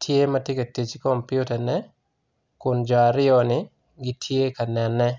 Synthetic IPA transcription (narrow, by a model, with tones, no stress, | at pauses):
tʰje˦mɐ˦tje˦ke˨ti˨t͡ʃɪ˦kɔ˨mpjʊ˦ta˨nɛ | kʊ˨nd͡ʒɔ˨a˨ɾɪ˦ɔ˨nɪ˨ | ɡɪ˦tʰje˦ka˨nɛ˨nɛ˦